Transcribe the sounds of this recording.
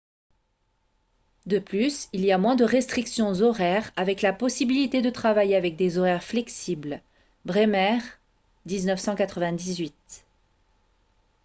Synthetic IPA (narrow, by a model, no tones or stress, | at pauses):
d̪əplysiliamwɛ̃d̪əʁɛst̪χiksjɔ̃zɔʁɛʁavɛklapɔsibilit̪ed̪ət̪χavajeavɛk̚d̪ezɔʁɛʁflɛksibl | bʁemɛʁ | d̪iznœfsɑ̃kat̪χəvɛ̃d̪izɥit̪